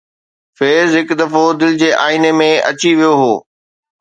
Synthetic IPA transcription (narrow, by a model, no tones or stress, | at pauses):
feːzɦɪkd̪ɐfod̪ɪlɪd͡ʑeːʔaːɪnemẽɐ̰t͡ɕiʋijoɦoː